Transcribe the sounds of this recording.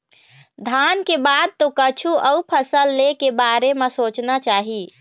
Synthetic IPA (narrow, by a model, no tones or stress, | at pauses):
d̪ʱankebad̪̚t̪okət͡ʃʰuʔəupʰəsəlːekebaɾemesot͡ʃnat͡ʃaɦi